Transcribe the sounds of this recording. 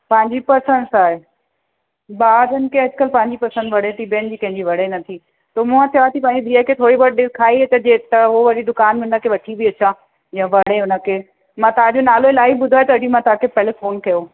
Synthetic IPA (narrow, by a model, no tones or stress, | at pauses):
pɐ̃ɦɪ̃ɲd͡ʑipɐɾsə̃nsaːɦe | baːd̪ʱənɪ̆kʰeɐd͡ʑkəlpɐ̃ɦɪ̃ɲd͡ʑipɐɾsə̃nd̪ʋɐɽet̪ibənd͡ʑiːkɐ̃ɦɪ̃ɲd͡ʑiʋɐɽenɐt̪ʰi | t̪omʊ̃ãt̪ʰiat̪ʰipɐ̃ɦɪ̃ɲd͡ʑid̪ʱiːəkʰeːt̪ʰoːɽibəʈ̚ɗɪkʰaːiɦet̪ɐd͡ʑet̪ɐɦoʋɐɽid̪ʊkaːnmɪ̃nəkʰeʋɐʈʰibiɐt͡ɕʰa | jãːʋɐɽ̤eɦʊnə̆kʰeː | mãːt̪ɐɦãd͡ʑonaːloɪlaːibʊd̪ʱaːɦet̪ɐɐd͡ʑĩmãt̪ɐãkʰepeːlefoːnkɐjo